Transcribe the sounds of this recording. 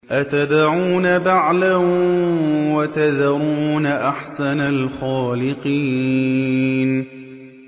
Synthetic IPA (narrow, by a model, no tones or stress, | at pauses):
ʔat̪ad̪ʕuːnabaʕlah | wat̪ad̪ɾuːnaʔaħsanalxaːlɪqiː | n